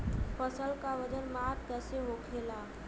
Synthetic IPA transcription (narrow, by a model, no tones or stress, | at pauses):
fəsəlkaʋəd͡ʒənmak̚t̪aseɦokʰela